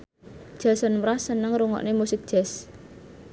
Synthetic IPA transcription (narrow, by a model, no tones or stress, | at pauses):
ʒ̥asənmɾahsənəŋɾuŋɔ̰ʔnemusɪk̚d̥ʒ̥ɛs